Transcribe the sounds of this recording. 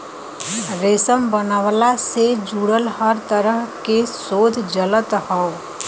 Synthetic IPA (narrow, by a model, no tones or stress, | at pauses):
ɾeːsəmbənaːʋlased͡ʒuːɽəlhəɾt̪əɾəɦkesoːd̪ʱd͡ʒələt̪hao